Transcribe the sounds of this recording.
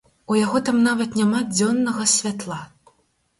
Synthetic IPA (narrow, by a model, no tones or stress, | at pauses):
ujaɣɔt̪amnavɐt̪nʲamad͡zʲɔnːɐɣɐsʲvʲat̪lˠa